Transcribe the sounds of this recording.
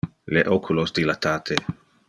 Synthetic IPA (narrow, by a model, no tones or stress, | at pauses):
leʔokʰulosd̪ilat̪aːt̪ʰe